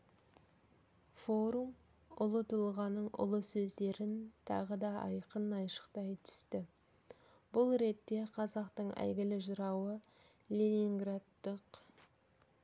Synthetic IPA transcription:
fo̞ɾum | ʊlˠət̪ʰʊlˠʁɑnəɴʔʊ̰lˠəsɵzd̪e̞ɾɪnt̪ʰɑ̰ʁəd̪ɑɑ̰jqənɑjʃə̥qt̪ɑjt̪ʰʏ̥st̪ɪ | bʊlˠɾe̞t̪ːe̞qʰɑzɑqt̪əɴæ̰jɡʲɪlɪʒʊɾɑwə | lʲenʲiŋɡrad̪ːəq

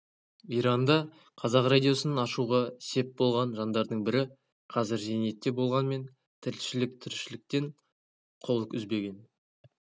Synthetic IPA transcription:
ijɾɑnd̪ɑ | qʰɑzɑqrad̪ʲijo̞sənɑnɑʃuʁɑse̞p̚bo̞lˠʁɑnʒɑnd̪ɑɾd̪əɴbɪɾɪ | qʰɑzɪɾze̞ne̞t̪ːe̞bo̞lˠʁɑnme̞n | t̪ʰɪlʃɪlɪk̚t̪ʰʏɾʃɪlɪk̚t̪e̞ɴ | qʰo̞lˠəkʏzbe̞ɡʲe̞n

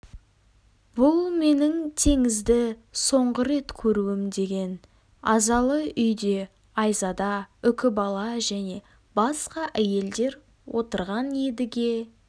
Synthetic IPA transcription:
b̥ʊlˠme̞nɪŋt̪ʰe̞ŋɪzd̪ɪso̞ɴʁəɾe̞t̪kʲʰɵɾuɪmd̪e̞ɡʲe̞n | ɑzɑlˠəʔʏjd̪e̞ | ɑjzɑd̪ɑʏkʲɪbɑlˠɑʒæne̞ | bɑsqɑʔæje̞ld̪e̞ɾ | wʔo̞̰t̪əɾʁɑnje̞d̪ɪɡʲe̞

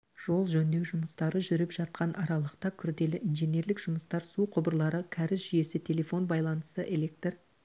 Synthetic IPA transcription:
ʒ̥o̞lˠʒɵnd̪e̞wʒʊməst̪ɑɾəʒʏɾɪpʒ̥ɑt̪̚qɑnʔɑɾɑlˠəqt̪ɑkʲʰʏɾd̪e̞lɪʔinʒene̞ɾlɪkʒ̥ʊməst̪ɑɾsuqʰʊbəɾlˠɑɾəkʲʰæɾɪsʒʏje̞sɪt̪ʲʰe̞lʲe̞fo̞nbɑjlˠɑnəsəʔe̞lek̚t̪r

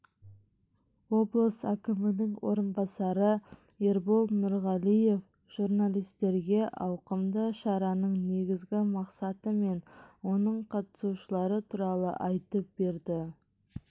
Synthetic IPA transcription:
wo̞blˠəsækʲɪmɪnɪŋwʔo̞̰ɾənbɑsɑɾə | eɾbolˠnʊɾʁɑlije̞f | ʒ̥uɾnalijst̪e̞ɾɡʲe̞ʔɑwqəmd̪əʃɑɾɑnəɴne̞ɡʲɪzɡʲɪmɑqsɑt̪əme̞nwo̞nəɴqʰɑt̪ə̥suʃəlˠɑɾət̪ʰuɾɑlˠə̰ʔɑjt̪əp̚be̞ɾd̪ɪ

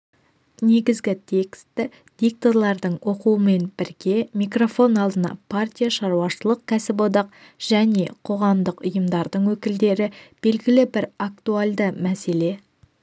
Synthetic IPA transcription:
ne̞ɡʲɪzɡʲɪt̪ʲʰe̞kst̪ɪ | d̪̥ʲik̚t̪olˠɑɾd̪əɴwo̞quəme̞nbɪɾɡʲe̞mijkro̞fo̞nɑlˠd̪ənɑ̰pʰart̪ʲijaʃɑɾwɑʃəlˠəq̚kʲʰæsɪpo̞d̪ɑq | ʒ̥æne̞qʰo̞ʁɑmd̪əqʊjəmd̪ɑɾd̪əɴwɵkʲɪld̪e̞ɾɪb̥e̞lɡʲɪlɪbɪɾakt̪ualˠd̪əmæse̞le̞

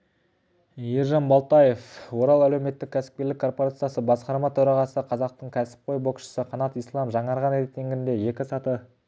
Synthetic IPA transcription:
jeɾʒɑnbɑlˠt̪ɑje̞fwo̞ɾɑlˠælewme̞t̪ːɪkʲʰːæsɪ̥p̚kʲe̞ɾlɪkʰːo̞rpo̞ɾat̪sijasəbɑsqɑɾmɑt̪ʰɵɾɑʁɑsəqʰɑzɑq̚t̪əɴkʲʰæsɪ̥p̚qʰo̞jbo̞kʃə̥səqʰɑnɑt̪ijslˠɑmʒɑɴɑɾʁɑneɾet̚t̪ːe̞ŋɡʲɪnd̪e̞je̞kʲɪsɑt̪ə

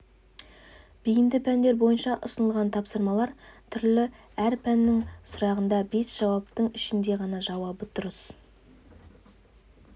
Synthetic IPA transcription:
b̥ijɪnd̪ɪpʰænd̪e̞ɾbo̞jənʃɑʔʊ̰sənəlˠʁɑnt̪ʰɑpsəɾmɑlˠɑɾt̪ʰʏɾlɪ | æɾpʰænːɪŋsʊɾɑʁənd̪ɑbe̞sʒ̥ɑwɑp̚t̪əɴɪʃɪnd̪e̞ʁɑnɑʒɑwɑbət̪ʰʊɾəs

